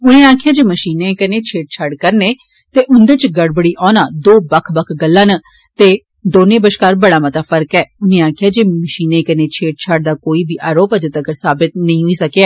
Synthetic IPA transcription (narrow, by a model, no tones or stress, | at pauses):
ʊnẽːaːkʰɪjaːd͡ʒeːməʃiːnẽːkənẽːt͡ʃʰeːʈ̚t͡ʃʰəɖkəɾneː | t̪eːʔʊnd̪eːt͡ʃɡəɽbəɽiːʔɔ̃ːnaːd̪oːbəkʰbəkʰɡəlːãːnə | t̪eː | d̪oːnẽːbəʃkaːɾbəɽaːmət̪aːfʰəɾkɛːʊnẽːãːkʰɪjaːd͡ʒeːməʃiːnẽːkənẽːt͡ʃʰeːʈ̚t͡ʃʰəɖd̪aːkoːiːbiːʔaːɾoːpɛːd͡ʒət̪əɡəɾsaːbɪt̪nəĩːɦoiːsəkeɛː